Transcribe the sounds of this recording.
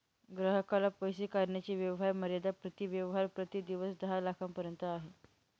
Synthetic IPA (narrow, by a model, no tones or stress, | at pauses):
ɡɾəɦəkalapəjsikaɾɳjat͡ɕiːʋjəʋɦaɾməɾjad̪apɾət̪iːʋjəʋəɦaɾpɾət̪iːd̪iʋəsd̪əɦalakʰampəɾjənt̪əaɦe